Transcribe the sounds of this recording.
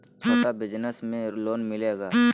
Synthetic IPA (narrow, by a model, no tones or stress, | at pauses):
t͡ʃʰɐt̪abɪd͡ʒnəsmẽloːnmɪleːɡaː